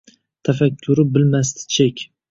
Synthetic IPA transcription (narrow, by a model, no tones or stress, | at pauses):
t̪ʰafakʲʰːʊɾɪbɪlmas̬t̪ɪ̥t͡ʃʰekʲ